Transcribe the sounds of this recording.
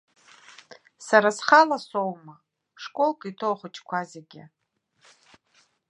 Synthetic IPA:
saɾasχalasowma | ʂkʷʼolkʼitʰowχət͡ʃʼkʷʰazeɡʲɪ

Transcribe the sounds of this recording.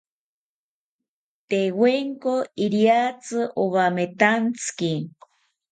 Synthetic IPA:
t̪eweŋkoiɾjat͡sɨʔoβamet̪ant͡sɨ̥ki

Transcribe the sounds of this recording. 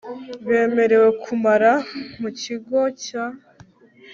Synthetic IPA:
βe̞ːme̞ɾe̞we̞kʰumaɾamuciɡoca

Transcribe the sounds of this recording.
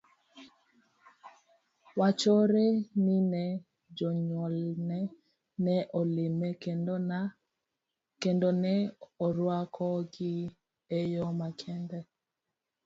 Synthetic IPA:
wat͡ʃoɾenɪnɛ | d͡ʒɔɲɔlnɛ | nɛʔɔlɪmek | kendonɛɔɾwakʰɔɡɪ | ejɔmakʰɛndɛ

